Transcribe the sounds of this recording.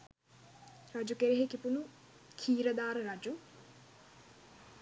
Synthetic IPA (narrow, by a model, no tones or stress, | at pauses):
rɐd͡ʒukeɾiɦekipunu | kʰiːɾɐd̪aːɾɨɾɐd͡ʒu